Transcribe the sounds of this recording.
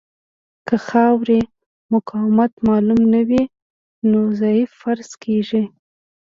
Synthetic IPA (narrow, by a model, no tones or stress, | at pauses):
kəxɑwɾi | mʊkʰɑwɪmat̪mɑlumnawi | nozɑjɪffaɾz̥kʰeʒi